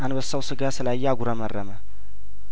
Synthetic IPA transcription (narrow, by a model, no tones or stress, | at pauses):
ʔanbəsːəwsɨɡasɨlajːɛaɡʷuɾəmərːəmə